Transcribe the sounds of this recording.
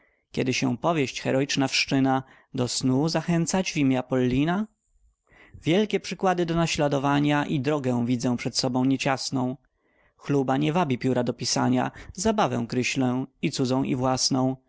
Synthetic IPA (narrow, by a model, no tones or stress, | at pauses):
kʲɛd̪ɘɕɛ̰w̃pɔvʲjɛɕt͡ɕxɛɾɔit͡ʂnafʂt͡ʂɘna | d̪ɔsnuzaxɛnt̪sad͡ʑvʲimʲjapɔlːina | vʲjɛlkʲɛpʂɘkwad̪ɘd̪ɔnaɕlad̪ɔvaɲaʔid̪ɾɔɡɛ̃vʲid̪zɛ̃pʂɛt̪sɔbɔ̃w̃ɲɛt͡ɕasnɔ̃w̃ | xlubaɲɛvabʲipʲjuɾad̪ɔpʲisaɲa̰zabavɛ̰̃w̃kɾɘɕlɛ̃it̪sud̪zɔ̃w̃ʔḭvwasnɔ̃w̃